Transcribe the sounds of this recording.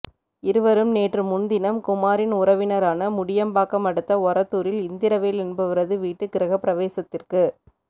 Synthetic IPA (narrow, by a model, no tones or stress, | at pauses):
ɪɾɯʋɐɾɯmneːʈrɯmʊnd̪ɪnɐmkʊmaːɾɪnʊɾɐʋɪnɐɾaːnɐmʊɽɪjɐmbaːkɐmɐɽɯt̪ːɐɔɾɐt̪ːuːɾɪlɪnd̪ɪɾɐʋeːlɛnbɐʋɪɾɐðɯʋiːʈːɯkːɪɾɐɣɐpɪɾɐʋeːsɐt̪ːɪrkɯ